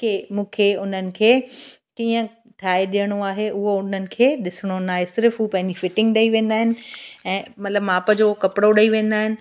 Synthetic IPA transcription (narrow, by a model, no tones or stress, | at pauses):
kemũːkʰeʊn̤ənɪ̆kʰeːkiːə̃ | ʈʰaːeɗijəɽ̃oaːɦeʔʊɦoʊn̤ənɪ̆kʰeːɗɪsɪɽ̃onaːɦesɪɾfɦuːpɐ̃ɦɪ̃ɲd͡ʑifɪʈɪ̃ŋɡɗɐiʋẽːn̆d̪aːɦɪnɪ̆ɛ̃ːmɐt̪ləbmaːpəd͡ʑokɐpɪɽoɗɐiʋẽːn̆d̪aːɦɪnɪ̆